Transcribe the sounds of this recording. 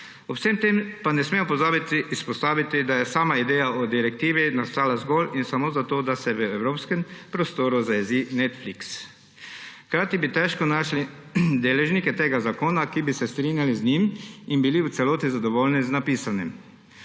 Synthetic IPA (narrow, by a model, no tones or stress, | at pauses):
ɔpsemt̪empanɛsmemɔpɔzaːbit̪iːspɔst̪aːʋit̪id̪ajɛsaːmaid̪ɛːjaɔd̪iɾɛk̚t̪iːʋinast̪aːlazɡolinsamoːzat̪oːd̪asɛʋəɛwɾoːpskɛmpɾɔst̪oːɾuzajɛzinɛt̪fliks | kɾaːt̪ibit̪ɛʃkɔnaʃli | d̪eːlɛʒnikɛt̪eːɡazakoːnakibisɛst̪ɾiːnjalizniminbiliwt̪sɛloːt̪izad̪ɔʋolniznapiːsanim